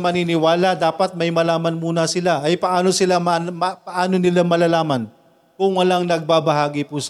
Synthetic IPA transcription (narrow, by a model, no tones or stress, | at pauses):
mɐninɪwaːlɐd̪aːpɐt̪̚mɐjmɐlaːmɐnmuːnɐsɪlaʔɐjpɐʔaːno̞sɪlamɐmɐpɐʔaːnonɪlamɐlɐlaːmɐn | kʊŋːɐlaŋnɐɡ̚babɐɦaːɡɪpus